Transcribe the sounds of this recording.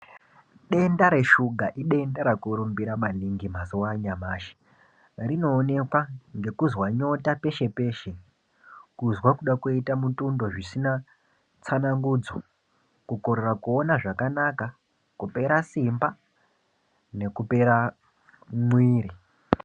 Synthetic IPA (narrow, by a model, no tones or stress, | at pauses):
ɗe̞ndaɾe̞ʃuɡʱaʔiɗe̞ndaɾakuɾumbiɾamaniŋɡimazowaɲamaːʃi̥ | rino̞ːne̞kwaŋɡe̞kuzwaɲo̞tape̞ʃe̞pe̞ːʃe̞ | kuzwakuɗakoitamutundo̞ʐisina | t͡sanaŋɡuːd͡zo | kukoɾerakuo̞naʐakanaka | kupe̞ɾasimba | ne̞kupe̞ɾa | mwiːɾi